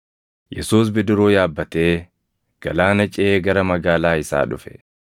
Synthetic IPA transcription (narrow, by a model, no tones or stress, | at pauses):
jɛsuːs̬bɪd̪ɪɾoːjaːbːɐt̪e̞ː | ɡ̥ɐlaːnɐt͡ʃʼɛeːɡɐɾɐmɐɡaːlaːɪsa̰ːᶑʊfɛ̥